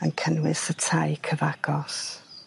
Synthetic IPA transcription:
ənkʰənwɪsətʰajkʰəvaɡ̥ɔs

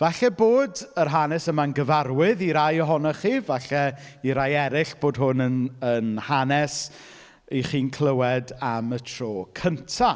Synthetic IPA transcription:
vaɬɛboːdərɦanɛsəmanɡəvarwɪðiɾajɔɦɔnɔχiːvaɬɛiɾajɛɾɪɬb̥oːdɦʊnənənhanɛs | iχiːnkʰlˠəwɛdamətʰroːkʰəntʰa

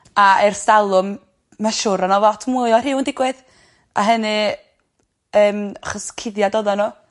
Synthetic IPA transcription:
aɛrsalˠʊmː | aʃʊɾanɔvɔtʰmuɨɔrɪwndɪɡwɛð | ʔa̰ɦənɨ | əːmaχəskʰɪdjadoðanɔ

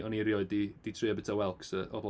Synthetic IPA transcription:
ɔniɾjɔɨdid̥itʰrɨabɪtʰawɛlˠksəʔɔ̰vl

